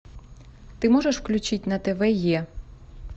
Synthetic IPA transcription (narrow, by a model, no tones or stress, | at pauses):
t̪ɪmɔʒeʃwklʲʊt͡ʃɪtʲnɐt̪ebɛjɛ